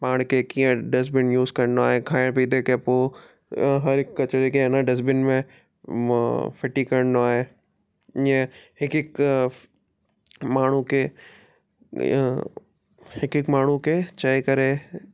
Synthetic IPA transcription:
paːɽ̃kekĩːə̃ɖɪs̬bɪnjuːzkɐɾə̃nd̪oaːɦekʰaːɪɽpid̪ʱekepoː | ɦɐɾɪkːɐt͡ʃɾikenãɖɪs̬bɪnmẽ | fʰɪʈikɐɾəɽnd̪oaːɦeː | iẽhɪkɪk | maːɳ̤uke | hɪkɪkmaːɳ̤uket͡ʃɐekɐɾe

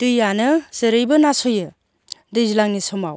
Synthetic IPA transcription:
tɯjanɯzɯɾɯjbɯnasojɯ | dɯjzilaŋnisɔma̰w

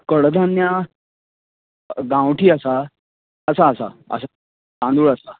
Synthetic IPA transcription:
kəɽd̪ʱãnja | ɡãwʈʰiːəsa | əsaəsa̰ə̰sa | sãnd̪ʱuːɭəsa

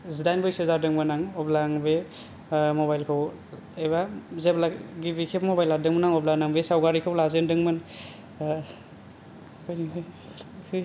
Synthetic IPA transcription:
zidajnbɯjsezaɾdɯŋmɯnaŋɔblaŋbe | mɔbajlkʰɯw | ejbazeblaɡibikʰepmɔbajladɯŋmɯnaŋɔblanaŋbesawɡaɾikʰɯwlazendɯŋmɯn | kʰɔjniɯ | kʰɯ

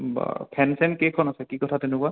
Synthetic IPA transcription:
pʰɛnsɛnkekʰːɔnasɛkikɔtʰatenʊkʊa

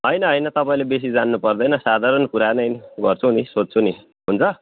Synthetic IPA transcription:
ɦʌjnʌɦʌjnʌt̪ʌpaĩlebes̬id͡zanːupʌrd̪ʌjnʌsad̪ʱaɾʌnkuɾanʌnɡʌrt͡sʰunisod͡zt͡sʰuni | ɦunt͡sʰʌ

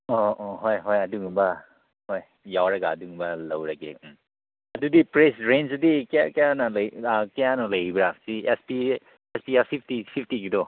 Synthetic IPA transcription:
ɔɔɦojɦojaduŋba | hoj | jawɾaɡaːduŋbalawɾaɡḛ | ɐdudipɾesɾensudikjakjanalajkejanɔlɐjibɾasiespi | espiapʰipʰtipʰipʰtiɡidɔ

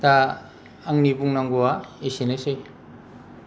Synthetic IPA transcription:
t̪aː | ŋnibuŋnaŋɡuaisenesɯj

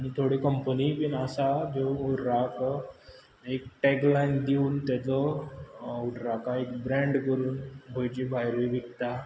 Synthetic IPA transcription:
aɽ̃it̪ʰoɽikəmpənipinasad͡ʑouɽɾak | ekʈɛklajnd̪iuːnt̪ɛt̪lɔ | uɽɾakaekbɾɛ̃ɳɖkəɾuːnbʱəjt͡ɕibʱajɾʋiʋikt̪a

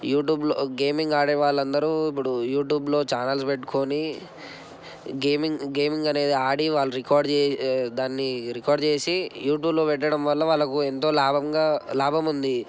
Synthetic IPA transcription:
juːʈ̬juːbloɡeːmiŋɡaːɽeːʋaːɭːɐnd̪ɐɾuip̬ːuɽujuːʈ̬juːblo̞ːt͡ʃaːnɐlspeʈːu̥koːni | ɡeːmiŋɡe̞ːmiŋɡɐne̞ːd̪iaːɽiʋaːɭːuɾikaːɾɖt͡ʃeːd̪aːnːiɾikaːɾɖt͡ʃe̞ːsijuːʈjuːblo̞ːpɛʈːɐɽɐmʋɐlːɐʋaːɭːɐkuent̪o̞ːlaːbɐŋɡaːlaːbʱɐmund̪i

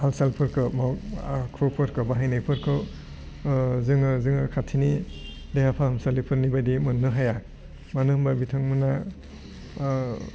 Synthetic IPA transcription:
alsalpʰɯɾkʰɯmaakʰupʰɯɾkʰɯbaɦajnɯjpʰɯɾkʰɯ | zɯŋɯzɯŋɯkʰatʰini | dejhapʰahɯmsalipʰɯɾnibajdimɯnːɯɦaja | manɯhmbabitʰaŋmɯna

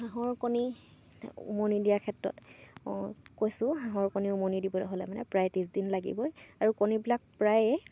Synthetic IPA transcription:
ɦaɦɔɹkoni | ṵmonidijakʰɛtɹɔ̰t | kojsʊ̃ɦãɦɔɹkoniumonidibɔlɔɦolɛ̰manɛ̰pɹajtĩsdinlaɡḭbɔjaɹukonibilak̚pɹajɛ

